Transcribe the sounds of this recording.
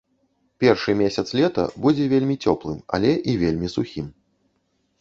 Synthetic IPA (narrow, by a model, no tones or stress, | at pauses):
pʲɛrʂɨmʲesʲɐt̪slʲɛt̪ɐ̰bud͡zʲɛvʲelʲmʲit͡sʲɔplˠɨmɐ̰lʲɛʔivʲelʲmʲisuxʲim